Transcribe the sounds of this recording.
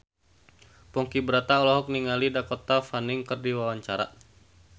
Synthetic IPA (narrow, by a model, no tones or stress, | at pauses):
pɔŋkibəɾat̪aɔlɔɦɔk̚niŋalidakɔt̪afaniŋkɨrdiwawaɲt͡ʃaɾa̰